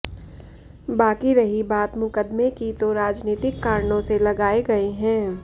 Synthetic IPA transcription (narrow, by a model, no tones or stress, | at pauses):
baːkiɾɐɦibaːt̪mʊkəd̪mekit̪oɾaːd͡ʒniːt̪ɪkːaːɾɳõselɐɡaːeɡɐeɦɛ̃ː